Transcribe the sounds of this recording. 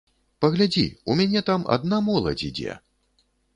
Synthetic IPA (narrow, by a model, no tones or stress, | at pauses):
pɐɣlʲad͡zʲḭumʲanʲɛt̪ama̰d̪namɔlˠɐ̰d͡zʲid͡zʲɛ̰